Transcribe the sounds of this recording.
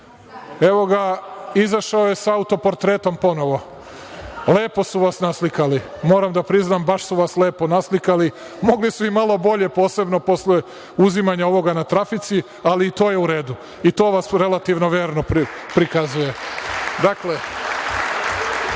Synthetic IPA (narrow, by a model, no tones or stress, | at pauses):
e̞ʋo̞ɡaizaʃaojesaaut̪o̞po̞ɾt̪ɾet̪o̞mpo̞no̞ʋo̞ | le̞ːpo̞suʋasnaslikalimoːɾamd̪apɾiznambaʃsuʋasle̞ːpo̞naslikali | mo̞ɡlisuimalˠo̞bo̞ʎe̞po̞ːse̞bnopo̞sle | uzimaɲao̞ʋo̞ɡanat̪ɾafit̪si | aliːt̪o̞ːjeuɾe̞ːd̪u | it̪o̞ːʋasɾe̞lat̪iʋno̞ʋjeːɾno̞ppɾikazuje̞d̪akle